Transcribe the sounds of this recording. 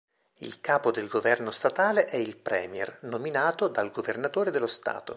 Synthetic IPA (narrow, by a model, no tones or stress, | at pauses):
ḭlkaːpod̪elɡovɛrnost̪at̪aːleʔɛilpɾɛ̰ːmjɛ̰rnominaːt̪od̪alɡovernat̪oːɾed̪elːost̪a̰ːt̪o̰